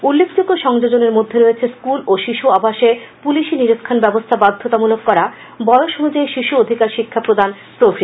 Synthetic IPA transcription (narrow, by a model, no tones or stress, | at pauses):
ulːekʰd͡ʑoɡːoʃɔŋd͡ʑod͡ʑoneɾmod̪ʱːeɾoet͡ɕʰeskuloʃiʃuabaʃepuliʃiniɾot̪kʰanbɛbost̪ʰabad̪ʱːot̪amulokːɔɾa | bɔeoʃoɦud͡ʑaeʃiʃuod̪ʱikaɾʃikʰːapɾod̪ʱan | pɾofʰi